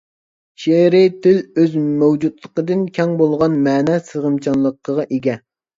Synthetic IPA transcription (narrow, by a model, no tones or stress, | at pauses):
ʃeɾɪt̪ʰɪløzmæwd͡ʒut̪lˠəqəd̪ɨnkʲʰɛŋbolˠʁɑnmɛːnɛsəʁəmt͡ʃʰɑnlˠəqʰːəʁɑʔeɡʲɛ